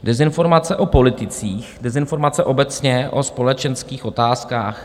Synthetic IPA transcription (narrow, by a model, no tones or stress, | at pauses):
dɛzɪnfo̞ɾmat͡sɛʔo̞po̞lɪt̪ɪt͡siːxdɛzɪnfo̞ɾmat͡sɛʔo̞bɛt͡sɲɛʔospo̞lɛt͡ʃɛnskiːxo̞t̪aːskaːx